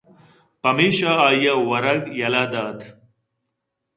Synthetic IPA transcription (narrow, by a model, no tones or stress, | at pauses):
pɐmeɕaaːjawɐɾɐɡjɐlaːd̪aːt̪